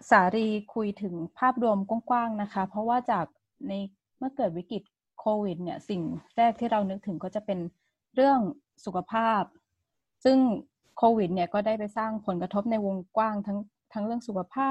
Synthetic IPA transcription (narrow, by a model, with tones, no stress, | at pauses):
saː˩˦ɾiː˧kʰu˧jt̪ʰɯ˩˦ŋpʰaː˥˩p̚du˧əmku˥əŋkwaː˥˩ŋna˦˥kʰa˦˥pʰɾɔ˦˥waː˥˩t͡ɕaː˨˩k̚ | na˧j | mɯ˥˩kɤː˨˩t̪̚wi˦˥ki˨˩t̪̚ | kʰoː˧wi˨˩t̪̚ni˥˩ɐsi˨˩ŋɾɛː˥˩k̚t̪ʰiː˥˩ɾa˧wnɯ˦˥k̚t̪ʰɯ˨˩˦ŋkɔː˥˩t͡ɕa˨˩pe˧n | ɾɯ˥˩əŋ | su˨˩kʰa˧pʰaː˥˩p̚ | sɯ˥˩ŋ | kʰoː˧wi˨˩t̪̚ni˥˩kɔː˥˩da˥˩jpa˧jsaː˥˩ŋpʰo˨˩˦nka˧t̪ʰo˦˥p̚na˧jwo˧ŋkwaː˥˩ŋt̪ʰa˦˥ŋ | t̪ʰa˦˥ŋɾɯ˥˩əŋsu˨˩kʰa˧pʰaː˥˩